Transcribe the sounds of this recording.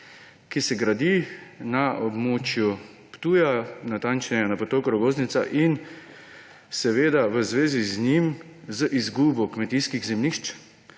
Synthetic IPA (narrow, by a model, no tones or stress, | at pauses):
kisɛɡɾad̪inaʔɔbmoːt͡ʃju | pt̪uːjanat̪ant͡ʃnjanapot̪okɾɔɡoːznit̪sa̰ʔin | sɛʋeːd̪aʋəzʋeːziznim | zəʔizɡubɔkmɛt̪iːskiɣzɛmniʃt͡ʃ